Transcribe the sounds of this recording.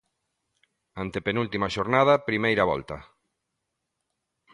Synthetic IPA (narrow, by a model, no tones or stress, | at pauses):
ant̪epenult̪imaʃoɾnað̞ɐpɾimejɾɐβɔ̰lt̪ɐ̰